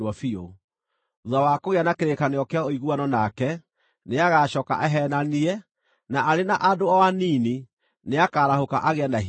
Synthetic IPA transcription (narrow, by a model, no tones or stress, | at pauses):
ɔfio | ðawakoɣeanakeɾekaneɔkeaoiɣuanɔnakɛ | neaɣaɕɔːka̰ʔɛɦɛnaniɛ | naʔaɾenaʔadoɔwaniːni | neakaːɾahoka̰ʔaɣɛːnda